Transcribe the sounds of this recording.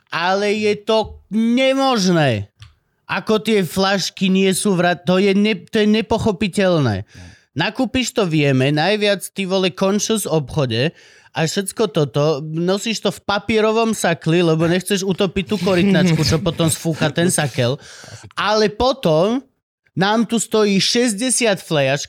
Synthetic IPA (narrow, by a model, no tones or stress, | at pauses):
ʔalɛjɛt̪ɔɲɛmɔʒnɛː | ʔakɔt̪ɪɛflaʃkiɲɪɛsuːʋɾat̪ɔjɛɛt̪ɔjɛɲɛpɔxɔpicɛlnɛ̰ː | nakuːpiʃt̪ɔʋɪɛmɛnajʋɪat͡st̪iːʋɔlɛkɔnt͡ʃɛzɔpxɔɟɛ | aʃɛtt͡skɔt̪ɔt̪ɔnɔsiːʃt̪ɔfpapɪɛɾɔʋɔmsaklilɛbɔɲɛxt͡sɛʒut̪ɔpic̚t̪ːuːkɔɾit̪nat͡ʃkut͡ʃɔpɔt̪ɔmsfuːkat̪ɛnsakɛlʔalɛpɔt̪ɔm | naːmt̪ust̪ɔjiːʃɛzɟɛsɪat̪flɛjat͡ʃk